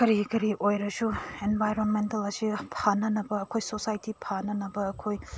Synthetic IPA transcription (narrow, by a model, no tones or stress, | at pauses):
kɐɾikɐɾiʔojɾɐsuenbʱajɾonmentɐlɐsipʰanɐnɐbɐːkʰojsosajtipʰanɐnɐbɐːkʰoj